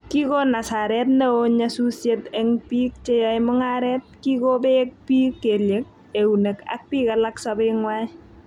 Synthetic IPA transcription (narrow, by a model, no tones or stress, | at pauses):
kikonasaɾɛtneoɲasusjetɛŋpiːk̚t͡ʃejajmʊŋaɾɛt̚kikobek̚piːkːeljek̚ | euneka̰k̚pikalaksabeŋwaj